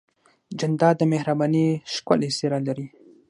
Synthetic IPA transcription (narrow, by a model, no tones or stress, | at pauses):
d͡ʒand̪ɑd̪əmehɾabɑniʃkoleseɾalaɾi